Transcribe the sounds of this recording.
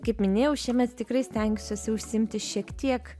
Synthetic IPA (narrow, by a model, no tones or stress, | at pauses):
kɐɪpmʲɪnʲeːjɛʊʃʲiɛmʲɛt̪t̪ʲɪkrɐɪsʲt̪ʲɛŋʲɡʲʊsʲosʲɪʊʃʲsʲɪɪmʲt̪ʲɪʃʲiɛkt̪ʲiɛk